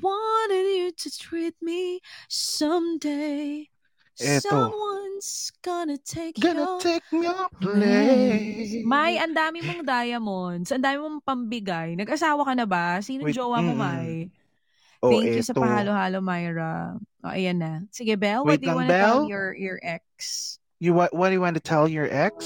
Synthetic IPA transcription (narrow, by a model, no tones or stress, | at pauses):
wɑɾɪdjɨtɨt̪ʰɹit̪̚misʌ̃md̪e | ɛtʌomwʌnz̥ɡ̥ɔnɐt̪ʰeɪkjɡnɐt̪ʰek̚miplɛ | majʔɐnd̪aːmɪmoŋd̪aːjɐmonsɐʔɐnd̪aːmɪmoŋpɐmbɪɡajnɐɡʔɐsaːwɐkɐnɐbasiːnod͡ʒoːwɐmomaj | ʔoɛ̃ɛkjusɐt̪ɐhaːlohaːlomajɹɐʔo̰ʔɐ̰janːɐsɪɡɛbɛlwɛd̪jɐwnbɛɛljɔɹjɔɹʔɛk̚s | juwawɐdɨjuwanʊt̪ʰɛlˠjɔɹʔɛks